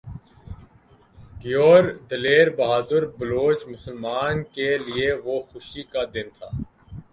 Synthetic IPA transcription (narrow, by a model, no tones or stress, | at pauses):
ɡɪjoːɾd̪əleːɾbəɦaːd̪əɾbəloːt͡ʃmʊsəlmaːnkelieʋoːxʊʃikaːd̪ɪnt̪ʰa̰ː